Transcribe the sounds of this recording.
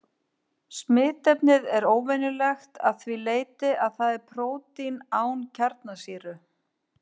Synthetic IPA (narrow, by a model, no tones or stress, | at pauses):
smɪːt̪ɛpnɪðɛɾoːwvɛnʏlɛxt̪ʰa̰ðθvileːjt̪ɪʔaðθaðɛɾpʰɾoːwt̪inaːwncʰaɾt̪nasiːɾʏ